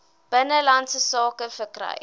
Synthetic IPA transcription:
b̥ənəlantsəsɑːkəfəkrɐ̰j

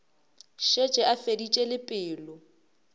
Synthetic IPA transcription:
ʃet͡ʃʼɛʔafedit͡ʃʼɛlɪpʼɪːlɔ

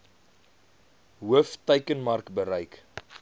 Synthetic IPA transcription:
ɦuəftəɥkənmɐrkbəɾɐjk

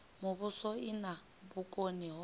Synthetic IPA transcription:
mʊβʊsɔina | bukʼoniɦɔ

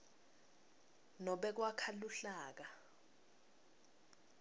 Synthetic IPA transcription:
nɔɓɛk̬wakʰaluɬaːk̬a

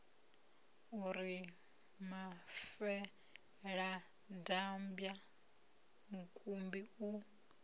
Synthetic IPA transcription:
uɾi | mafɛ | ɺa | dambja | mukʼumbiu

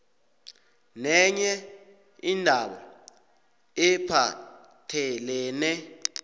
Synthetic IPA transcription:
nɛɲɛ | indʱaɓa̰ | ɛpʰa | tʰɛlɛːnɛ

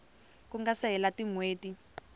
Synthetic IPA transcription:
kuŋɡasɛɦɛlatiŋweːti

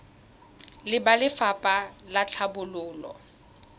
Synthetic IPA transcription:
lɪbalɪfapʼalat͡ɬʰabʊlʊːlɔ̰

